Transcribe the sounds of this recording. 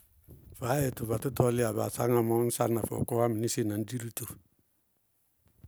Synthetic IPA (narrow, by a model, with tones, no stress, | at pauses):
fa˨˦e˨tu˨ba˨tu˦tɔ˦lɪ˦a˨ba̰˨sa˦ŋa˨mɔ˦n̩˦sa˦na˨fɔ̰˨kɔ˦wa˦mi˨ni˦si˦na˨n˦di˦ɾi˦tu˨